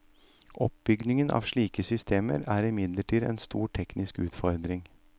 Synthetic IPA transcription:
ʔɔp̚bʏɡnɪŋənʔɑ̰ːʋʂɭiːkəsʏst̪ʰeːmə̰ɾæːɾɪmɪd̪ləʈʰiːd̪ɛ̰ːnst̪ṵːʈʰɛknɪskʉːt̪fɔɾd̪ɾɪŋ

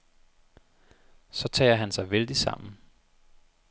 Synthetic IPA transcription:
sɒ̽t͡sʰɛ̰ːɐɦænsɑ̈ɪʋeld̥isɑ̈m̰n̩

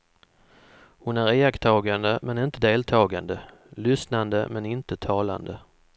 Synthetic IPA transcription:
hʊnæɾeːakt̪ʰɑːɡand̪əmɛnɪnt̪əd̪eːlt̪ʰɑːɡa̰nd̪ə | lʏsnand̪ə̰mɛnɪnt̪ət̪ʰɑːla̰nd̪ə

